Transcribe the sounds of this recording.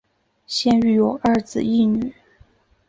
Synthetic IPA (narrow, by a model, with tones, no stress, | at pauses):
ɕjɛ˥ny˥˩jo˨˩ʊə˞˥˩t͡sɹ̩˨˩i˥˩ny˨˩˦